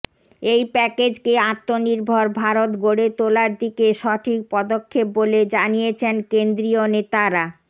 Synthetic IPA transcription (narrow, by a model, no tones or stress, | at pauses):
ejpɛked͡ʑkeat̪ːoniɾbʱoɾbʱaɾot̪ɡoɽet̪olaɾd̪ikeʃɔʈʰik̚pɔd̪okʰːep̚boled͡ʑanijet͡ɕʰenkend̪ɾionet̪aɾa